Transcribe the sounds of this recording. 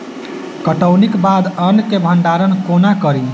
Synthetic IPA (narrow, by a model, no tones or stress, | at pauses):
kəʈəwnikbad̪ənkebʱəɳɖaɾənkonakəɾi